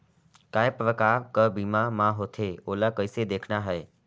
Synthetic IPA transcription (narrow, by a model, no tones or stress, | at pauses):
kaepɾəkaːɾkəbimãmãɦot̪ʰeolakəjsed̪ekʰnaɦəe